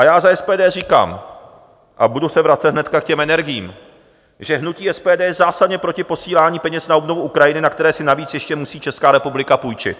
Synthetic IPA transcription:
ʔajaːzaɛspɛːdɛːriːka̰ːm | ʔabudusɛvɾat͡sɛt̪ɦnɛt̪kakcɛmɛnɛɾɡɪjḭːm | ʒɛɦnuciːɛspɛːdɛːjɛzaːsadɲɛpɾo̞cɪpo̞siːlaːɲiːpɛɲɛsnaobnovuʔukɾajɪnɪnakt̪ɛɾɛːsɪnaviːt͡sjɛʃcɛmusiːt͡ʃɛskaːɾɛpublɪkapujt͡ʃɪ̰t̪

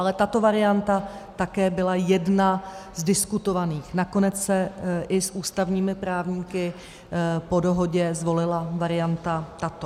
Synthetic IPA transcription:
ʔalɛt̪at̪o̞vaɾɪant̪at̪akɛːbɪlajɛdnazdɪskut̪o̞vaniːxnako̞nɛt͡ssɛʔɪsʔuːst̪avɲiːmɪpɾaːvɲiːkɪ | po̞do̞ɦo̞ɟɛzvo̞lɪlavaɾɪjant̪at̪at̪o

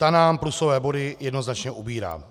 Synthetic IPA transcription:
t̪anaːmplusovɛːbo̞dɪjɛdno̞znat͡ʃɲɛʔubiːɾa̰ː

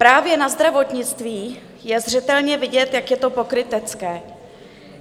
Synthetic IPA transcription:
pɾaːvjɛnazd̪ɾavo̞t̪ɲɪt͡st̪viː | jɛzr̝ɛt̪ɛlɲɛvɪɟɛt̪jakjɛt̪o̞po̞kɾɪt̪ɛt͡skɛː

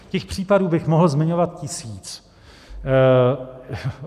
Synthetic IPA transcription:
cɛxpr̝̥iːpaduːbɪxmoɦl̩zmɪɲo̞vat̪̚cɪsiːt͡s

